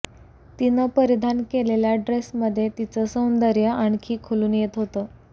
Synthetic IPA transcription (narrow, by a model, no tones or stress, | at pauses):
t̪inəpəɾid̪ʱankeleljaɖɾesməd̪ʱːjet̪it͡səsəwnd̪əɾjəaɳkʰiːkʰoluːnjet̪ɦot̪əː